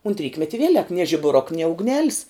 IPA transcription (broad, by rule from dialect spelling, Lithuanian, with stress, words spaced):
ʊnt ˈrʲiːkmʲɛtʲɪ ˈʋʲiɛlʲɛk nʲiɛ ʒʲɪbʊˈrʊk nʲiɛ ʊɡˈnʲæːlʲɪs